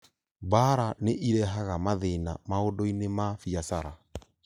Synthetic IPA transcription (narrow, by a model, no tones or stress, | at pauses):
baɾaneʔiɾɛɦaɣamaðena̰maodɔinemafiasaɾa